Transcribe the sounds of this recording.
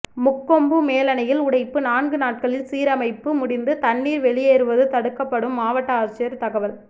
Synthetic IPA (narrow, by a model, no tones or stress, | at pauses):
mʊkːɔmbɯmeːlɐnɐjɪlʊɽɐɪpːɯnaːnɡɯnaːʈ̚kɐɭɪlsiːɾɐmɐɪpːɯmʊɽɪnd̪ɯt̪ɐɳːiːɾʋɛɭɪjeːɾɯʋɐðɯt̪ɐɽɯkːɐpːɐɽɯmːaːʋɐʈːɐaːt͡ʃːɪjɐɾt̪ɐɣɐʋɐl